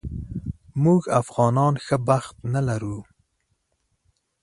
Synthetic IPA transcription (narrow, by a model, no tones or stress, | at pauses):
muɡafɣɑnɑnxəbaxt̪nalaɾu